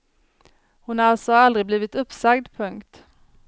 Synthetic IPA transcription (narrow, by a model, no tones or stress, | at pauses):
hʊnalsɔald̪ɾɪbliːvɪt̪ɵpːsaɡd̪pʰɵŋkt̪